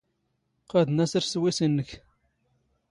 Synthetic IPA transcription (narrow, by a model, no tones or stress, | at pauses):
qæðnæsəɾswisənːəç